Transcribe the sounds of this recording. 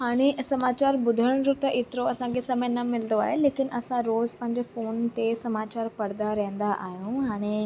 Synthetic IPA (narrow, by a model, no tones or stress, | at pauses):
ɦaːɽ̃esɐmaːt͡ɕaːɾbʊd̪ʱəɽɽ̃ɾut̪əʔɪt̪ɾoɐsãkʰesɐmənɐmɪld̪oa̰ːɦeleːkɪnʔɐsãɾoːzpɐ̃ɦɪ̃ɲd͡ʑefoːnt̪esɐmaːt͡ɕaːɾpɐɽd̪aɾɛ̃ɦə̃n̆d̪aʔaːɦjũɦaːɽ̃e